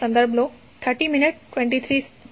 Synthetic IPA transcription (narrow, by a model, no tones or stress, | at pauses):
ə̃nd̪əɾbʱlo | t̪ʰəɾʈiminiʈʈwɛ̃ɳʈit̪ʰɾiːs